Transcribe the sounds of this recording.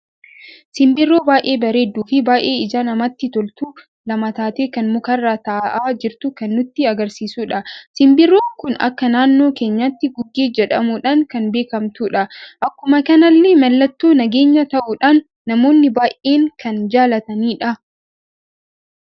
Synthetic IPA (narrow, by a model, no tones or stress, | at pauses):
sɪmbɪrːo̞ːbaːjʔe̞ːbɐɾe̞ːd̪ːuːfɪbaːjʔe̞ːɪzanɐmɐt̪ːɪt̪ɔlt̪uː | lɐmɐt̪aːt̪e̞ːkɐnmʊkɐrːaːt̪ɐʔaʔaːd͡ʒɪɾt̪ʊkɐnːʊt̪ːɪɐɡɐɾsiːsuːᶑɐsɪmbɪrːoːkʊnɐ̰kːɐnaːnːo̞ːke̞ːɲːat̪ːɪɡʊɡːeːd͡ʒɛᶑɐmuᶑaːŋkɐnbe̞ːkɐmt̪uːᶑɐʔɐkːʊmɐkɐnɐlːɛmɐlːɐt̪ːuːnɐɡe̞ːɲːɐt̪ɐʔuːᶑaːnː | ɐmo̞ːnːɪbaːʔe̞ːŋkɐnd͡ʒaːlɐt̪ɐniːᶑɐ